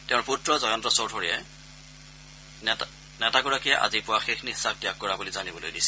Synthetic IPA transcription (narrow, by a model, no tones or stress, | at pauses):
tɛ̃ʊ̃ɹputɹɔzɔjɔntɹɔsowdʱɔɹiɛ | nɛtaɡɔɹakijɛʔa̰zipʊwaxexʰniɦisab̚tiak̚ɡɔɹabulizanibɔlo̰jdisɛ̥